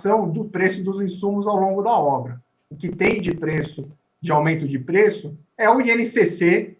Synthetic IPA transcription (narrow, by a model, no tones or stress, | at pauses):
sɐ̃w̃d̪ʊpɾesʊd̪ʊzĩsũmʊzawlõɡʊd̪aɔbɾɐ | ʊkɪt̪ẽj̃d͡ʒɪpɾesʊ | d͡ʒɪawmẽnt̪ʊd͡ʒɪpɾesʊ | ɛʊiẽnɪsese